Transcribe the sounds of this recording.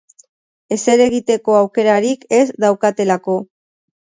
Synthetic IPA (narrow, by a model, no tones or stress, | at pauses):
e̞se̞ɾe̞ɣ̞it̪e̞ko̞awke̞ɾaɾike̞zd̪awkat̪e̞lako̞